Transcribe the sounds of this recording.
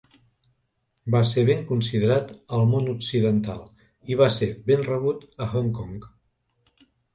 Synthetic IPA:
baseβeŋkunsiðəɾat̪əlˠmonuksiðənt̪a̰lˠ | iβ̞asebenrəβut̪əxɔŋkɔŋk

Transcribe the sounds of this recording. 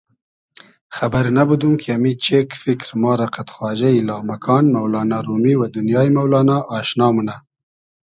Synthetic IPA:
xabaɾnabud̪uŋkʰiamit͡ʃekfɪkɾmɑːɾaqat̪xwɑːʒailɑːmakʰɑːnmawlɑːnɑɾumiwad̪ʊnjɑːjmawlɑːnɑʔɑːʃnɑːmuna

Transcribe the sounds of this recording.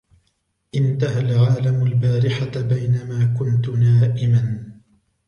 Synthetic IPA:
ʔɪnt̪aɦalʕaːlamʊlbaːɾɪħabajnamaːkʊnt̪naːʔɪman

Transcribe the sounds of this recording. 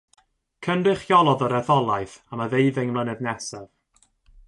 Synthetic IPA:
kʰəndrɨχjɔlˠɔðɔɾɛθɔlˠajθaməðejðɪŋmlˠənɛðnɛsɛv̥

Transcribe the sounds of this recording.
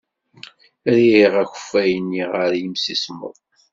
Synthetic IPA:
ɾiiʁæçə̥fːæjənːiʁəɾjimsismə̰ðˤ

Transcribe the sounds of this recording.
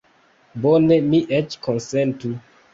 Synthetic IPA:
bonemiʔɛt͡ʃkʰɔnsɛntu

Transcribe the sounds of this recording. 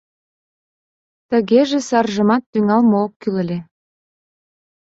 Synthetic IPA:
t̪ə̆ɣeʒesɑrʒə̆mɑt̪ːyŋɑlmookːylə̆lʲe

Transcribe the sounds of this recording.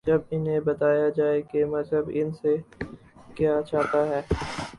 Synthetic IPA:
d͡ʒɐbɪnɦẽbɐt̪aːjad͡ʒaːekemɐzɦəbɪnse | kjaːt͡ʃaːt̪aɦɛː

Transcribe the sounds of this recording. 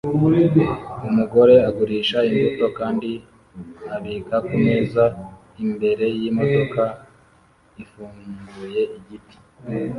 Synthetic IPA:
umuɡo̞ɾe̞aɡuɾiːʃainvuto̞kaːndi | aβiːkakume̞za | imbe̞ɾe̞jimo̞to̞ka | ifuːŋɡuje̞iɟiti̥

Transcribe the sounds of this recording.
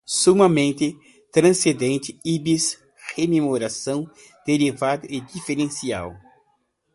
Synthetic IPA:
sumɐmẽnt̪ɪ | t̪ɾɐ̃sed̪ẽnt̪ɪibis | hememoɾasɐ̃w̃ | d̪̥eɾivad̪ɐʔed͡ʒ̪ifeɾẽsia̰w

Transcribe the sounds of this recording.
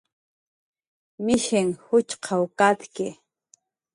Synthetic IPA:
mɪʃɪŋhʊt͡ʃqʰɑwkat̪kɪ

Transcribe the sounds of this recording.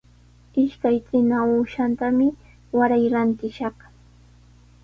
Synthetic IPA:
ɪʃkajkɪnauːʃant̪amɪ | waɾajɾant̪ɪʃɑχ

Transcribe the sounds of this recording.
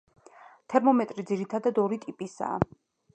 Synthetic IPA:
t̪ʰɛɾmɔmɛt̪ʼɾid̪ziɾit̪ʰad̪ad̪ɔɾit̪ʼipʼisa̰ː

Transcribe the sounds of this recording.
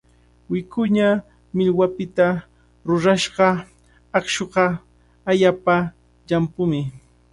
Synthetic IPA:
wɪkʊɲa | mɪʎwapɪt̪a | ɾʊɾaʃɢɑ | ɑχʃoɢɑː | ʎapa | ʎampʊmɪ

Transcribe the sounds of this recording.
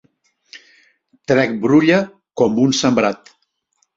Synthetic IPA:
t̪ɾɛk̚bɾuʎə | kɔmbunsəmbɾat̪

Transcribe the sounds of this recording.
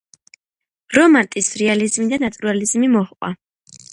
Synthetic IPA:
ɾɔmant̪ʼisɾɛalizmid̪anat̪ʼuɾalizmimɔχqʼwa̰

